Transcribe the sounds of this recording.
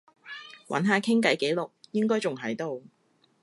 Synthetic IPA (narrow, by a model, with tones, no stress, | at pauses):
wʔɐ̰˨˥nɦaː˨˧kʰɪ˥ŋkɐ˨˥jke˨˥jlʊ˨k̚jɪ˥ŋkɔː˥jt͡sʊ˨˩ŋɦɐ˨˥jt̪o˨˧w